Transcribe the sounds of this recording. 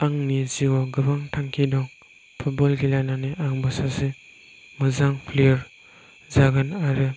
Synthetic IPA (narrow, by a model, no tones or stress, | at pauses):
aŋniziwɔɡɯbaŋtʰaŋkʰidɔŋ | pʰut̚bɔlɡilajnaniʔaŋbasase | mɯzaŋpʰliɾ | zaɡanaɾe